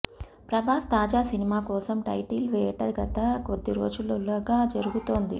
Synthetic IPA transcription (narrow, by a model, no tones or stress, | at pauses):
pɾɐbʱaːst̪aːd͡ʒaːsinimaːkɔːsɐmʈɐjʈilʋɛːʈɐɡɐt̪ɐkod̪ːiɾoːd͡ʒululɐɡaːd͡ʒɐɾuɡut̪o̞ːnd̪ḭ